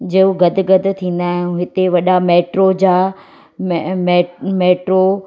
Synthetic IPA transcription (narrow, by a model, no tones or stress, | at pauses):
d͡ʑɐːɦuɡɐd̪̆ʱɡɐd̪ʱʊ̆t̪ʰĩːn̆d̪aːɦɪjũɦɪt̪eʋɐɗameːʈɾod͡ʑaː | mmeːmeːʈɾo